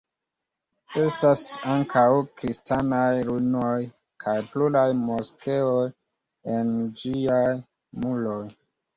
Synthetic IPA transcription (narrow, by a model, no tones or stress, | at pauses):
e̞stasaŋkʰawkɾistanajluno̞j | kʰajpluɾajmoske̞oj | end͡ʒiaj | mulo̞j